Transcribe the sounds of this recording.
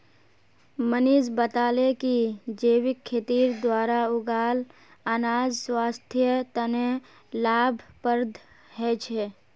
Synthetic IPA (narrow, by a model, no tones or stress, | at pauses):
məniːd͡ʒbət̪aːlekid͡ʒeːwɪkʰːeːt̪iːɾd̪waːɾaʊɡaːl | aːnaːd͡ʒswaːst̪ʰjət̪əne | laːbʱpəɾd̪ʱ | ɦɛt͡ʃʰeː